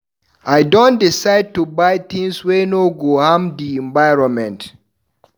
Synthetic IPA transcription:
ʔajdɔ̃ndisajd̚tubajt̪ɪ̃ŋswenoɡohãmdiɛ̃ɱvajɹɔnmɛ̃nt

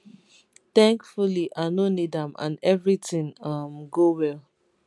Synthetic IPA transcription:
tɛ̃ŋkfuliʔaɪnonidãmã̰nɛvɹitĩŋʌmɡowɛl

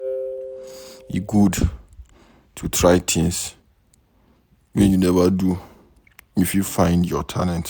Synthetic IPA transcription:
iɡud | tʰutʰɹaɪtʰɪ̃ns | mɛ̃njunɛvadu | ifufãɪ̃ndjɔtʰa̰lɛ̃nt

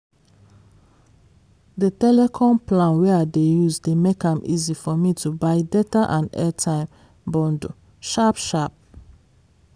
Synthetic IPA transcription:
dətɛlɛkʰɔ̃mplãnwɛadejuzdemekãmʔḭzifɔmitubaɪdɛtaʔãndɛtʰãɪ̃m | bɔ̃ndo | ʃapʃap̚

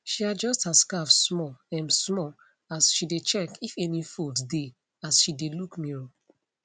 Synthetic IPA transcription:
ʃiad͡ʒɔstaskafsmɔɛ̃nsmɔ | asʃidet͡ʃɛkifɛnifuldde | asʃidelukmiɹo

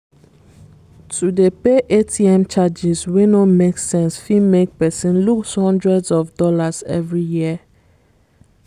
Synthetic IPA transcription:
tʰudepeʔetʰiɛ̃mt͡ʃad͡ʒiswenomeksɛ̃nsfimek̚pɛsĩnlukshɔ̃ndɹɛdzɔfdɔlazɛ̰vɹijiə

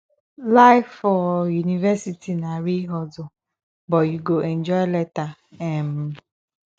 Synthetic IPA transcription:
laɪfɔjunivɛsitʰinaɾiɦɔdʊ | bɔjuɡoʔɛnd͡ʒɔjlɛta | ɛm̩

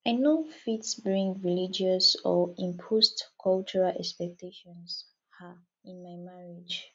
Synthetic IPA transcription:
aɪnofitsbɹĩŋɹilid͡ʒɔsɔĩmpʰostkʰɔlt͡ʃuɹalʔɛ̰kspɛk̚tʰeʃɔ̃ns | ha | ĩnmajmaɹid͡ʒ

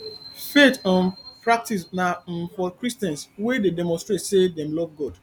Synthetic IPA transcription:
fetãnpɹak̚tis̬nafɔkɹistɛ̃nswededɛmɔ̃nstɹetsedɛ̃mlɔvɡɔd̥

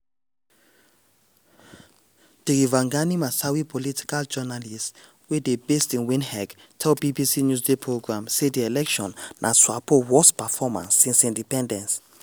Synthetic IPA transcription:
d̥iɡivãŋɡanimasawipʰɔlitʰi̥kald͡ʒɛnalist | wedebestĩnwĩnhɛɡ | tʰɛlbibisinjus̬depʰɹoɡɹãmsediɛlɛkʃɔ̃nːʔa̰swapowɔspɛfɔmã̰nsːĩnsĩndipɛ̃ndɛ̃ns

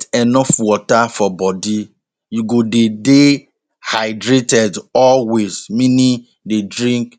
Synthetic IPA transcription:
tɛnɔfwɔtafɔbɔdi | juɡodede | haɪdɾetɛdɔlwez̥mĩnĩ | dedɹĩŋk

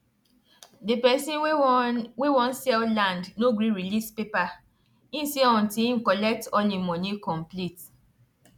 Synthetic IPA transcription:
depɛsĩ | wewɔ̃nsɛllãndnoɡɾiɹilispepa | ĩnseɔ̃ntĩŋ̩kɔlɛk̚tɔlemɔnikɔ̃mplit

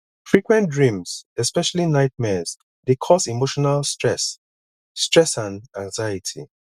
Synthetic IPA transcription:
fɹikwɛ̃ndɹĩmsɛspɛʃalinaɪt̚mɛz | dekʰɔsimoʃɔnalstɹɛsː | tɹɛsãnãŋzajitʰḭ

